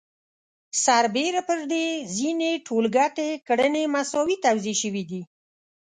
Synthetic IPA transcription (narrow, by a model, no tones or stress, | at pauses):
saɾbeɾapəɾd̪ezineʈʰolɡaʈekɽənemasɔwit̪awzeʃəwid̪i